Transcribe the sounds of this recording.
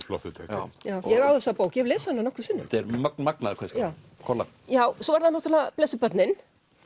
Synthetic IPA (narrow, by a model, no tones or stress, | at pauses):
flɔ̰ht̪ɪt̪ʰḛja̰jaːwjɛɣaːwðɛsapoːwkjɛvlɛːsanːanɔhkvʏɾsɪnːʏ̰mt̪ɛɾmœk̚nmaknaðkʰɛskaː | kʰɔla̰ | jaːwsɔvaɾðanːɔt̪ʰalaplesɪpœt̪nɪn